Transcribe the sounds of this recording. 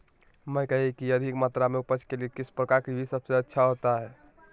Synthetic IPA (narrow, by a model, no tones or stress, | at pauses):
məjkəɦɛkiəd̪ʱikmat̪ɾameupət͡ʃʰkelekit͡ʃʰpɾəkaɾkibʱisəbseətːʃʰaɦot̪aɦɛ